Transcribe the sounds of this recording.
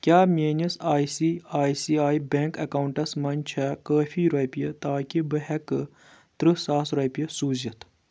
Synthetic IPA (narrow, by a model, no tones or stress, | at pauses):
kʲaːmʲeːnɐsaːjsiaːjsiːaːibeŋkɐkaːwɳʈɐsmɐnt͡ʃʰɐkəːfʰiːɾɐpijɐt̪aːkʲibɨɦɛkɨ | t̪ɾɨsaːsɾɐːpijɐsuːzɐt̪ʰ